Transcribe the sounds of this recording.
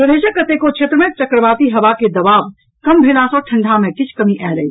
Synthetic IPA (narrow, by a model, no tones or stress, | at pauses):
pɾəd̪eːʃəkːɐt̪ekot͡ʃʰet̪ɾəmẽt͡ʃɐkɾəʋaːt̪iɦɐʋaked̪ɐʋaːʋ | kɐmbʱɪlãːsoʈʰɐ̃ɳɖʱamẽkɪt͡ʃʰkɐmiʔɛːɾɐḭ